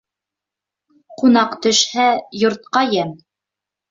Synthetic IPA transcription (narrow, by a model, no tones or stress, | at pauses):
qunɑqt̪ɵ̆ʃhæjŏɾt̪̚qɑjæn